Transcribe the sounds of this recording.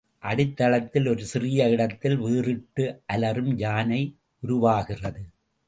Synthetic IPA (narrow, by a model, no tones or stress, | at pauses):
ʔɐɽɪt̪ːɐɭɐt̪ːɪlɔɾɯsɪrɪjɐɪɽɐt̪ːɪlʋiːrɪʈːɯʔɐlɐɾɯmd͡ʒaːnɐɪ | ʊɾʊʋaːɣɪrɐðɯ